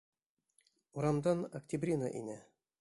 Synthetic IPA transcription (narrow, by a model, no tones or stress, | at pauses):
uɾɑmd̪ɑnɐktʲibrʲina̰ʔḭnʲæ